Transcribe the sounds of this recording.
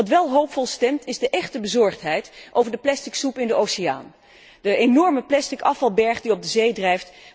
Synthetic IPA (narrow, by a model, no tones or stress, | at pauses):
ɑtʋɛlˠɦowpfɔlˠstɛmtɪzdəʔɛχtəbəzɔɹχtɦɛjtʔowvəɹdəplɛstɪksupɪndəʔowsɪja̰ːn | dəʔenɔɹməplɛstɪkɑfɑlˠbɛɹχdiɔp̚b̚dəzejdrɛjft